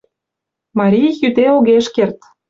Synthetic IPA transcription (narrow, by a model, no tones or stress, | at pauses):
mɑɾʲijjyt̪eoɣeʃkert̪